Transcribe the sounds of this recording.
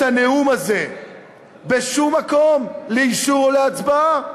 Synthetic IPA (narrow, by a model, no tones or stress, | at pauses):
aneumaze̞ | beʃumːako̞mleiʃuʁleat͡sbaa